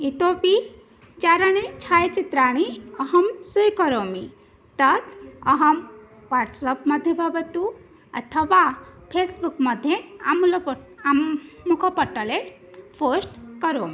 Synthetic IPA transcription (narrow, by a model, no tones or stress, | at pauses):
it̪opi | t͡ʃaɾɐɽ̃et͡ʃʰaːjt͡ʃit̪ɾaːɽ̃iɐɦɐmsujkɐɾoːmi | t̪ɐt̪ɐɦɐm | ʋaːʈsɐpmɐd̪ʱjebʱabɐt̪u | ɐ̰t̪ʰɐʋapʰesbukmɐd̪ʱjeaml | ukʰɐpəʈːəle | pʰosʈkɐɾoːmi